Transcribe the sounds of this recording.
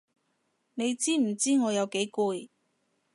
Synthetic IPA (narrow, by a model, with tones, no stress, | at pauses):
ne˨˧jt͡siː˥m̩˨˩t͡siː˥ŋɔː˨˧jɐ˨˧wke˨˥jkuː˧j